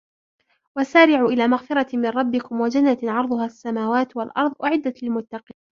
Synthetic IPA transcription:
wasaːɾɪʕuːʔɪlaːmaɣfɪɾˤɑmɪnɾˤɑbːɪkʊmwad͡ʒanːaʕɑɾˤd̪ˤʊhaːsːamaːwaːt̪walʔɑ̰ɾˤðˤʔʊʕɪd̪ːat̪lɪlmʊt̪ːɑqiːn

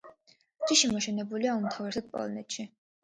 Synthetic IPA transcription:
d͡ʒiʃimɔʃɛnɛbuliaumt̪ʰavɾɛsad̪̚pʼɔ̰lˠɔnɛt̪ʃi

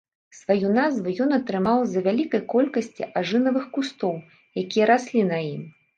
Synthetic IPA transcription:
svajunazvujɔnɐt̪ɾɨmawzɐvʲalʲikɐjkɔlʲkɐsʲt͡sʲḭʔaʐɨnɐvɨxkust̪ɔw | jakʲijɐɾasʲlʲinɐjim

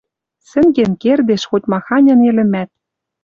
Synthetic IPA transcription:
sɘ̆ŋɡenkerd̪eʃxotʲmɑxɑnʲɤ̆nelɘ̆mæt̪̚

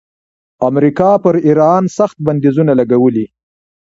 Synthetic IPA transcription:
amɾikɑpəɾiɾɑnsaxt̪̚band̪izunalaɡawəli

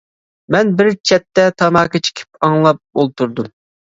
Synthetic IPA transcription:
mɛnbɪɾt͡ʃʰɛt̪ːɛt̪ʰɑmɑːkit͡ʃʰi̥kʲʰɪ̥p̚ɑŋlˠɑp̚bolˠt̪uɾd̪um

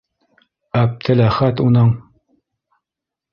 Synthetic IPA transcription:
æp̚t̪ʰɘlæχæt̪unɤɴ

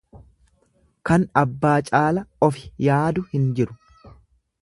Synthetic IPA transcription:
kɐnɐbːaːt͡ʃʼaːlɐɔfɪ̥jaːd̪ʊhɪnd͡ʒɪɾʊ̥

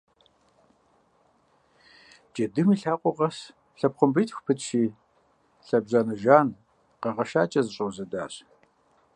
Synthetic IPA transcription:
d͡ʒʼedɨmiːɬaːqʷʼʊʁɐs | ɬɐpχʷʊmbɨjtxʷpʰɨtʰʃiː | ɬɐbʑaːnɐʒaːn | qɐʁɐʃaːt͡ʃʼɐzɨɕʼowzɐda̰ːɕ

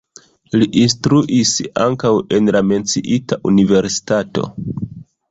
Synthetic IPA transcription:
liʔinstɾuʔisa̰ŋkawe̞nlame̞nt͡siʔitaʔunive̞ɾsi̥tato̞̰

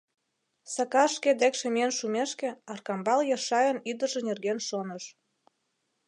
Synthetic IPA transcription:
sɑkɑʃked̪ekʃĕmienʃumeʃkĕɑrkɑmbɑljɑʃɑjənyd̪ə̆ʒĕnerɣenʃonə̆ʃ

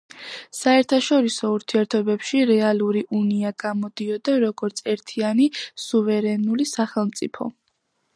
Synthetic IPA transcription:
saɛɾt̪ʰaʃɔɾisɔuɾt̪ʰiɛɾt̪ʰɔbɛpʃiɾɛalˠuɾiʔuniaɡamɔd̪iɔd̪aɾɔɡɔɾt̪sʰɛɾt̪ʰianisuvɛɾɛnulisaχɛlˠmt̪sʼipʰɔ̰

